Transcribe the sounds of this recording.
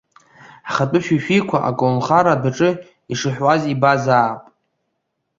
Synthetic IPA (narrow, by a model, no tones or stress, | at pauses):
aχatʷʼʊʃᶣiʃᶣikʷʰaʔa̰kʼownχaɾadaʈ͡ʂʼɨ | iʂɨħwazibazaːpʼ